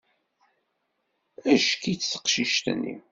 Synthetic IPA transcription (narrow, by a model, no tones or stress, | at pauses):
æʃkit͡sθə̥qʃiʃt̪nːḭ